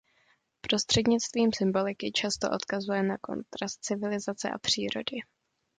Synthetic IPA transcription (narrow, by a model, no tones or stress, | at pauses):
pɾo̞st̪r̝̥ɛdɲɪt͡st̪viːmsɪmbo̞lɪkɪt͡ʃast̪o̞ʔo̞t̪kazujɛnako̞̰nt̪ɾast̪̚t͡sɪvɪlɪzat͡sɛ̰ʔa̰pr̝̥iːɾo̞̰dɪ